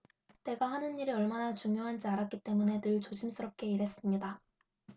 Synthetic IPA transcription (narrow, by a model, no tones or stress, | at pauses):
te̞ɡahanɯnːiɾɯʌɭmanat͡ɕuŋjoɦand͡ʑiaɾak͈it͈e̞mune̞nɯɭt͡ɕoɕʰims͈ɯɾʌp̚k͈e̞iɾɦe̞s͈ɯmɲida